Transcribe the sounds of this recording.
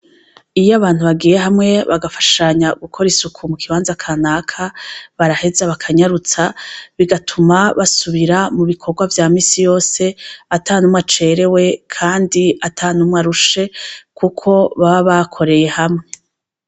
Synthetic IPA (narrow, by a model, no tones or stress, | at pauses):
ijaβaːn̥huβaɡiːje̞ɦamŋe̞βaɡafḁʃaɲaɡukʰo̞ɾisukʰumukʰiwaːnzakʰanaːkʰaβaɾahe̞zaβakʰaɲaɾut͡saβiɡatʰumaβasuβiɾamuβikʰo̞ɡwavjaːmiːsijo̞ːse̞ataːnumŋat͡ʃe̞ɾe̞we̞kʰaːndiatʰanumŋaɾuʃe̞kʰukʰo̞βaβaβakʰo̞ɾe̞je̞hamŋe̞